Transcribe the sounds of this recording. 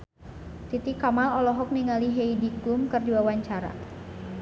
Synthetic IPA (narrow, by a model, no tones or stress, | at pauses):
t̪it̪ikːamalɔlɔɦɔk̚niŋaliɦeidikumkɨrdiwawaɲt͡ʃaɾa̰